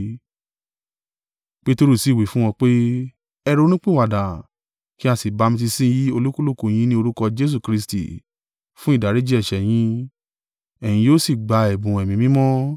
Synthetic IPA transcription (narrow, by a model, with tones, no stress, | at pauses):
k͡pe˦to˧ɾu˦˨si˨˦˨wi˨˦fũ˦w̃ɔ̃˧k͡pe˦ | ɛ˧ɾo˧˦nĩ˦k͡pĩ˦˨wa˨da˨ | ki˦a˧si˨ba˨˧mĩ˧t̬i˧sĩ˦ji˦o˧lu˦ku˦lo˦˨ko˨j̃ĩ˧˦nĩ˦o˧ɾu˦kɔ˧d͡ʒe˦s̬u˦˨kɾi˧s̬tḭ˨ | fũ˦i˦˨da˨ɾe˨˦d͡ʒi˦ɛ˦˨ʃɛ˨j̃ĩ˧˦ | ɛ˨j̃ĩ˧joː˦si˦˨ɡ͡ba˨˧ɛ˨bũ˨ɛ˨mĩ˨mĩ˦mɔ̃˦